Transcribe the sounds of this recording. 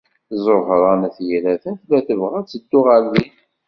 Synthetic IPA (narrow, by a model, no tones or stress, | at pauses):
zˤoɦɾˤɑnæθjiɾæθænθlæθəvʁæt͡sːəd̪ːʊʁalði